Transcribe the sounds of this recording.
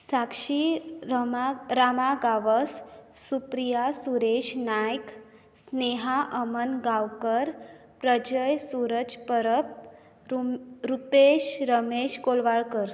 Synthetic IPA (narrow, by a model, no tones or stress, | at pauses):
sakʂi | ɾamaɡaʋəsː | upɾijasuɾeɕnajk | sneɦaʔəmənɡawkəɾ | pɾəd͡ʑəjsuɾəd͡ʑpəɾəp̚ | ɾupeɕɾəmeɕkolʋaɭkəɾ